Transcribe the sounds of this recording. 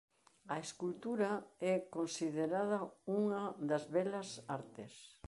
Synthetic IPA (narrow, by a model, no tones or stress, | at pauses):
ɐeskult̪uɾɐɛkonsiðeɾaðɐuŋɐðɐzβɛlɐsaɾt̪ɪs